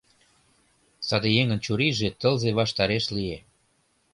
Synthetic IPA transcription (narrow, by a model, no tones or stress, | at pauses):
sɑd̪ejeŋə̆nt͡ɕuɾiʒet̪əlzeβɑʃt̪ɑɾeʃlie